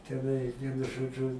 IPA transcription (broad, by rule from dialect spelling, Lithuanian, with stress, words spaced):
tʲɛˈnɐɪ ˈʋʲiɛnʊ ˈʒoːd͡ʒʊ